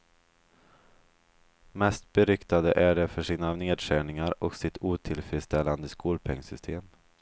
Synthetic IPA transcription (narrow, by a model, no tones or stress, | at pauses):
mɛst̪̚bɛɾʏkt̪ad̪əʔæɖɛfœʂiːnaneːd̪ʂæːɳɪŋaɾɔksɪt̪ʰuːt̪ʰɪlfɾɪd̪st̪ʰɛlːand̪əskuːlpʰɛŋsʏst̪ʰeːm